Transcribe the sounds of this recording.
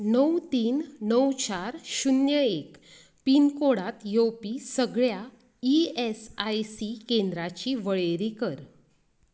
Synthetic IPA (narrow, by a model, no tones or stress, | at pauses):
nəwt̪iːnːəwt͡ɕaɾɕunjəek | pinkoɽat̪jopisəɡɭja | iesajsikend̪ɾat͡ɕiʋəɭeɾikəɾ